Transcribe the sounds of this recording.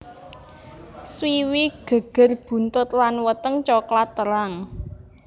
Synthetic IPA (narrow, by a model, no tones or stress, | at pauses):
swiwiɡ̥ə̤ɡ̥ə̤rb̥ṳnt̪ʊt̪lanwət̪əŋt͡ʃɔklat̪ːəɾaŋ